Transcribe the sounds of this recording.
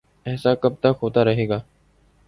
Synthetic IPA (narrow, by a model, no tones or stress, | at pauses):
ɛːsaːkəb̚t̪akɦoːt̪aːɾəɦeːɡaː